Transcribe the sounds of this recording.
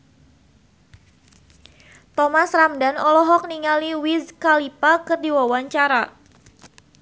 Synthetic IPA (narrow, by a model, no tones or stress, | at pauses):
t̪ɔmasramdanɔlɔɦɔk̚niŋaliwiskalipakərdiwawaɲt͡ʃaɾa